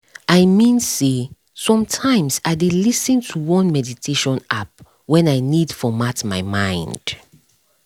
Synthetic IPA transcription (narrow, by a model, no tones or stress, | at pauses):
ʔaɪmĩnse | sɔ̃mtʰãɪ̃msaɪdelisɨ̃ntʰuwɔ̃nmɛditʰeʃɔ̃nʔap̚ | wɛ̃naɪnid̥fɔmatmaɪmãɪ̃nd̥